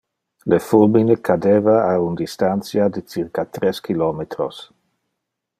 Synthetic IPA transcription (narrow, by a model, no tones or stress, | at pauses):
lefulminekʰadeːvaaund̪ist̪ansjad̪et͡sirkat̪ɾeskilɔmet̪ɾos